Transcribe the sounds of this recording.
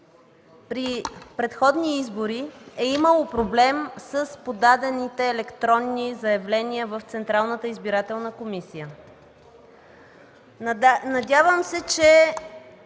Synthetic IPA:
pɾipɾɛt̪xɔd̪niizboɾiɛiməlˠopɾoblɛmsəspod̪ad̪ɛnit̪ɛːlɛkt̪ɾɔnːizəjɐvlɛniəvəft̪sɛnt̪ɾalˠnət̪əizbiɾat̪ɛlˠnəkomisijə | nɐdʲavəmsɛt͡ʃɛ

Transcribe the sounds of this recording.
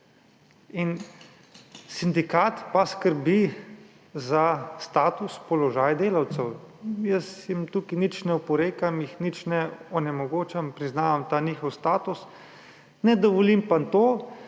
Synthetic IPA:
in | sind̪ikaːt̪paskəɾbi | zast̪aːt̪uspɔlɔʒaːjd̪eːlawt̪sɛwjəsjimt̪uːkinit͡ʃnɛupɔɾeːkamixnit͡ʃnɛɔnɛmɔɡoːt͡ʃampɾiznaːʋamt̪aːniːxɔwst̪aːt̪us | nɛd̪ɔʋɔlimpant̪oː

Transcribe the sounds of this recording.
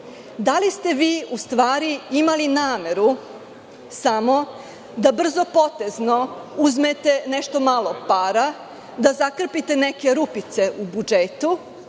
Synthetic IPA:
d̪alist̪e̞ʋiːust̪ʋaːɾiimalinaːme̞ɾu | samo̞ | d̪abr̩zo̞po̞t̪e̞zno̞uzmet̪e̞neʃt̪o̞malˠo̞paːɾa | d̪azakr̩pit̪e̞neke̞ɾupit̪se̞ʔubud͡ʒet̪u

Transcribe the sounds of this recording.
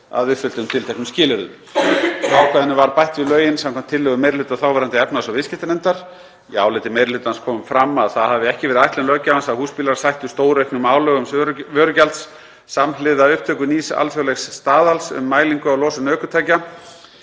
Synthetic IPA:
a̰ðvɪfʏlt̪ʏmt̪ʰɪlt̪ʰɛknʏmscɪːlɪɾʏð | θawkʰvɛðɪnːɪvaɾpajht̪vɪlœːɥjɪnsamkʰamt̪ʰːɪlːʏɣʏmejɾlʏːt̪aθawvɛɾant̪ɪɛpnasavɪscɪ̥t̪ɪnɛnt̪aɾ̥ | iaːwlɪjt̪ɪmejɾlʏːt̪anskʰɔːmʏmfɾamːaðθaðhaðvɪɛhcɪvɛːɾɪðajht̪lɛnlœcːavansaðhuːspiːlaɾ̥sajht̪ʏst̪oːwɾehknʏmaːwlœɣʏmsɾvœːɾʏcalt̪sː | amlɪðaʏhp̚t̪ʰœːkʏniːsa̰lfjɔwlɛxsːt̪aːðalsʏ̰mːaːjliŋkʏawlɔːsʏnœːkʏ̥t̪ʰaːjca

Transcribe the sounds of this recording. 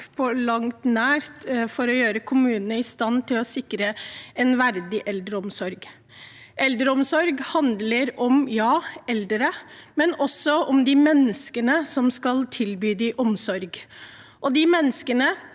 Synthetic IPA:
pʰɔlɑŋt̪næːɾt̪fɔɾɔjøːɾəkʰʊmʉːnənəɪst̪ɑnt̪ʰɪlɔsɪkɾəɛnʋæɾd̪ɪʔɛld̪ɾəɔmsɔɾɡ | ʔɛld̪ɾəɔmsɔɾɡhɑnd̪ləɾɔmjɑːɛld̪ɾəmɛnɔsːɔʔɔmd̪ɪmɛnːəskənəsɔmskɑlt̪ʰɪlbyːd̪ɪʔɔmsɔɾɡ | ʔɔd̪ɪmɛnːəskənə

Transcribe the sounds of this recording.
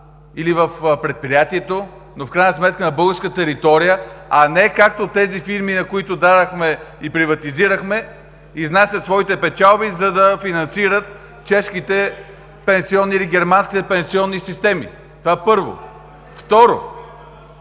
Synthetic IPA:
ilivəfpɾɛt̪̚pɾijat̪iɛt̪o | nofkɾajnəsmɛt̪̚kənɐbɤlˠɡəɾskət̪ɛɾit̪ɔɾijəɐnɛkak̚t̪ot̪ɛzifiɾminɐkoit̪od̪ad̪ɐxmɛipɾivɐt̪iziɾəxmɛ | iznasʲət̪svɔit̪ɛpɛt͡ʃalˠbizɐd̪ɐfinɐnsiɾət̪ | t͡ʃɛʃk̟it̪ɛ | pɛnsiɔnːiiliɡɛɾmanskʲit̪ɛpɛ̃nsiɔnːisist̪ɛmḭ | t̪ovaɛpɤɾvo̰ | ft̪ɔɾo̰

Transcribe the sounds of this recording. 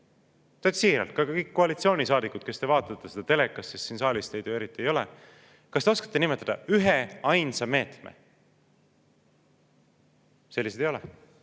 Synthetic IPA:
t̪æt̪siːɾɑ̰lt̪̚kɑkɑkɤjkːo̞ɑlit̪sio̞ːnʲisɑːd̪ikːˑut̪̚ke̞st̪e̞vɑːt̪ːˑɑt̪ˑːe̞sed̪̥ɑt̪e̞lekˑːɑssistsiːnsɑːlʲist̪ejd̪ue̞ɾit̪ːˑiejo̞le | kɑst̪e̞o̞skɑ̥t̪ˑːenimet̪ːˑɑd̪̥ɑ̰yɦeɑjnsɑme̞ːt̪mḛ | selːis̬ed̪ejo̞lɛ

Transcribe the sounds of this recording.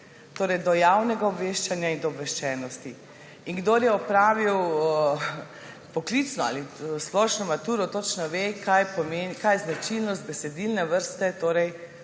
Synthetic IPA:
t̪oːɾɛjd̪ɔjawnɛɡaɔbʋeːʃt͡ʃanjaind̪ɔbʋɛʃt͡ʃɛːnɔst̪i | iŋɡd̪oːɾjɛɔpɾaːʋiw | pɔklit̪snɔa̰lisplɔʃnɔmat̪uːɾɔt̪ɔt͡ʃnɔʋekajpɔmenikajznat͡ʃilnɔst̪̚bɛsɛd̪ilnɛʋəɾst̪ɛt̪oːɾɛj

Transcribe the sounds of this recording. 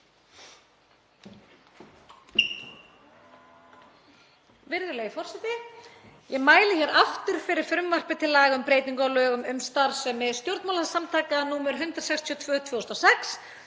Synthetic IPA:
vɪɾðʏleɣifɔr̥sɛt̪ɪ | jɛmaːjlɪçɛɾaft̪ʏɾ̥fɪɾɪɾ̥fɾʏmvar̥pɪt̪ʰɪlːaːɣʏmpɾejt̪niŋkawlœːɣʏmʏmst̪aɾsɛmɛðst̪jowɾt̪mawlasamt̪ʰaːkanuːmʏɾɦʏnt̪ɾḁsɛkst̪ʰiɔt̪ʰvœːt̪ʰvœːɔst̪ɔsɛks

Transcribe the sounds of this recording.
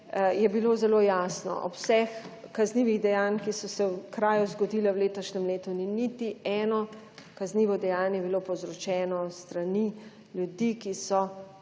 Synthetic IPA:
jɛbiloːzɛloːjaːsnɔ̰ʔɔpsɛxkazniʋiɣd̪ɛjaːnkisɔsɛwkɾaːjuzɡɔd̪iːlawleːt̪ɔʃnɛmleːt̪uninit̪iɛːnɔ | kazniːʋɔd̪ɛjaːnjɛbilopɔwzɾɔt͡ʃɛːnɔst̪ɾani | ljud̪ikisɔ

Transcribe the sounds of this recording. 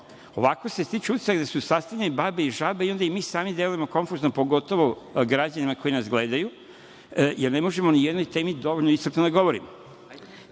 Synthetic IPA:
o̞̰ʋako̞sest̪it͡ʃeut̪i̥saɡd̪asusast̪avlʲʎʲenbabeiʒabeio̞nd̪aimiːsaːmid̪e̞lujemo̞ko̞nfuːznopo̞ɡo̞t̪o̞ʋoɡɾad͡ʑanimako̞jinasɡle̞ːd̪aju | jeɾne̞mo̞ʒe̞monijed̪nojt̪eːmid̪o̞ʋoʎnoisrɾt̪nod̪aɡo̞ʋo̞ɾḭmo

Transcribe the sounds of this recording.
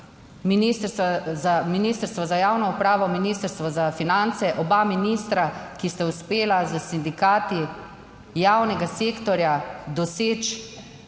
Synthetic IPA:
minist̪əɾst̪ʋazaminiːst̪əɾst̪ʋɔzajaːwnɔupɾaːʋɔminiːst̪əɾst̪ʋɔzafinant̪sɛʔɔbaminist̪ɾakist̪auspeːlazəsind̪ikaːt̪i | jaːwnɛɡaseːkt̪ɔɾjad̪ɔseːt͡ʃ

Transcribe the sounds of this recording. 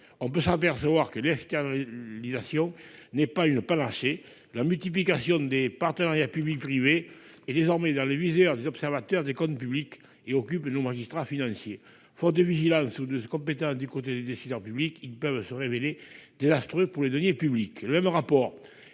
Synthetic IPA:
ɔ̃p̬øsap̬ɛʁsəvwaʁkəlɛkst̪ɛʁnalizasjɔ̃nɛpaynəpanaʃe | lamylt̪ip̬likasjɔ̃d̪epaʁt̪ənaʁjapyblik̚pχiveː | d̪ezɔʁmɛd̪ɑ̃levizœʁd̪ezɔpsɛʁvat̪œʁd̪ekɔ̃nt̪əpyblik | eɔkypnomaʒist̪χafinɑ̃sje | fɔt̪̚d̪əviʒilɑ̃sud̪əkɔ̃mpet̪ɑ̃sd̪ykot̪ed̪ed̪esizœʁpyblikilpœvsəʁeveled̪̥ezast̪χøpuʁled̪ɔnjepyblikləmɛmʁapɔʁ

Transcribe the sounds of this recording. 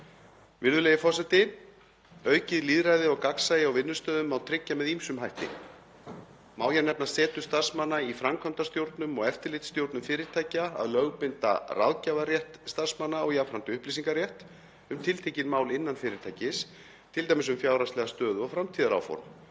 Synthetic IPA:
vɪnðʏlejɪfɔs̬ajt̪ɪ | œːɥcɪðliːðɾajðɪɔɣkaksajɪawvɪnːʏst̪œːðʏmawt̪ʰɾɪcːamɛðimsʏmɦajht̪ɪ̰ | maːwçɛɾnɛp̚nḁsɛːt̪ʏst̪ar̥smanːaifɾamkʰvœmt̪ast̪jowɾt̪nʏmɔɣɛft̪ɪɾlɪht̪st̪jowɾt̪nmfɪːɾɪɾt̪ʰaːjcaa̰ðlœɣpɪnt̪a̰rʔa̰ðcavarjɛht̪st̪ar̥smanːaɔɣjafɾant̪ʏʏhplis̬iŋkaɾrjɛht̪ | ʏmt̪ʰɪlt̪ʰejcɪnmaːwlɪnːanfɪːɾɪɾt̪ʰaːjcɪs | t̪ʰɪlt̪ajmɪsʏmfjaːwɾast̪lɛɣast̪œːðʏɔɣfɾamt̪ʰiːðaɾa̰wfɔ̰ɾm

